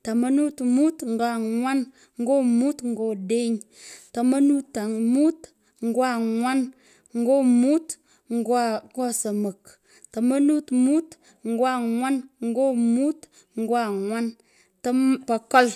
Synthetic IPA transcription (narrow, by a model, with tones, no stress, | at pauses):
ta˨ma˦nu˦tmu˦tŋ̩˨ɡa˦˨ŋʷa˦n | ŋ̩˦ɡo˦mu˦tŋ̩˨ɡo˦˨de˦ɲ | ta˨ma˦nu˦ta˨mu˦t | ŋ̩˨˦ɡwa˦˨ŋʷwa˦n | ŋ̩˦ɡo˦mu˦t | ŋ˨˦ɡa˦˨ŋɡo˦˨sə˨mə˨k | ta˨ma˦nu˦tmu˦t | ŋ̩˨ɡwa˦˨ŋwa˦nŋ̩˦ɡo˦mu˦t | ŋ̩˦ɡʷa˦˨ŋwa˦n | tə˦mpa˨ko˦l